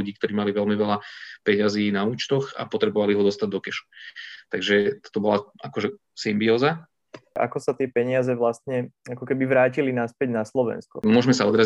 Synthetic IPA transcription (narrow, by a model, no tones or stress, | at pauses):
uɟiːk̚t̪ɔɾiːmaliʋɛlmiʋɛlapɛɲaziːnauːt͡ʃt̪ɔxa̰pɔt̪ɾɛbɔʋaliɦɔd̪ɔst̪aɟ̚d̪ɔkɛʃu̥t̪aɡʒɛt̪ɔbɔlaʔakɔʒɛ | simbiɔːza | ʔa̰kɔsat̪ɪɛpɛɲɪazɛʋlast̪ɲɛakɔkɛbiʋɾaːcilinaspɛɟnaslɔʋɛ̰nskɔ̰mʊɔʒmɛsaɔd̪ɾa